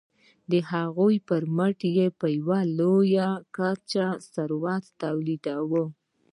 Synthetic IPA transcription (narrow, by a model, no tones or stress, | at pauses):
d̪əhaɣojpəɾməʈjepəjwalojakat͡ʃasaɾwɑt̪t̪awlid̪awə